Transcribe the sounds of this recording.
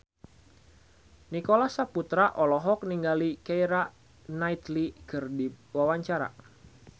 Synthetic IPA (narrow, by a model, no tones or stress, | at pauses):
nikolasaput̪ɾaʔɔlɔɦɔk̚niŋɡalikaiɾaʔ | nait̪likərdiwawaɲt͡ʃaɾa̰